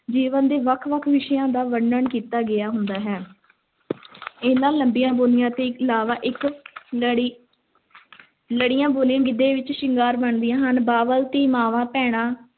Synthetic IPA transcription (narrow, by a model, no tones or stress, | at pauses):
d͡ʒiːʋənd̪eːʋəkʰʋəkʰʋɪʃjãːd̪aːʋəɳːəɳkiːt̪aːɡɪaːɦʊnd̪aːɦɛː | eːnaːlːəmbijãːboːlɪjãːt̪eːɪkɪlaːʋaːʔɪk | ɽi | ləɽɪjãːboːlɪjãːɡɪd̪eːʋɪt͡ʃʃɪŋɡaːɾbəɳd̪ɪjãːɦənbaːʋəlt̪iːmaːʋãːpɛːɽ̃ãː